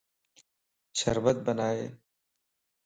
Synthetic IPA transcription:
sɐ̰ɾʋət̪̚bənaːḛː

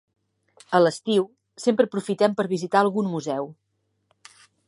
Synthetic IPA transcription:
ələst̪iw | sempɾəpɾufit̪ɛmpəɾβizit̪aəlˠɣunmuzɛw

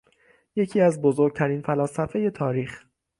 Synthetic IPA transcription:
je̞cʰiːæzbozoɾɡ̚t̪ʰæɾiːnfælɒːsæfe̞je̞t̪ʰɒːɾiːx

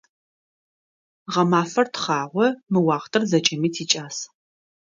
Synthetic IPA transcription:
ʁɐmaːfɐrtχɑːʁʷɔmɨwɑːʁtʰɨrzɐt͡ʃʼɐmiːtʰiːt͡ʃʼaːs

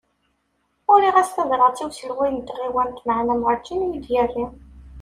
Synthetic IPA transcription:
ʊɾiʁæsθæðɾˤɑʁˤt͡s̪iwsəlʁijənt̪ʁiwænt̪məʕnæmʁət͡ʃːinjid̪jærːi

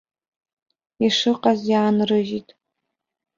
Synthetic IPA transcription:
iʂɨqʼazjaːnrɨʒitʼ

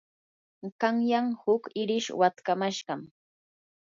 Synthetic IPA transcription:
ɢaŋjaŋhʊkɪɾɪʃwat̪kamaʃɢɑm

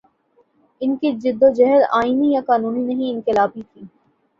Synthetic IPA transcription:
ɪnkid͡ʒɪd̪ːod͡ʒɛɦɾaːinijakaːnuːninɐɦĩɪ̃nkɪlaːpit̪ʰiː

